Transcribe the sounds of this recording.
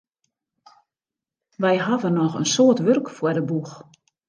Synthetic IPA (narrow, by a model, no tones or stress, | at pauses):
ʋɛjɦavənɔxə̰nsoərtʋørkfwərdəbux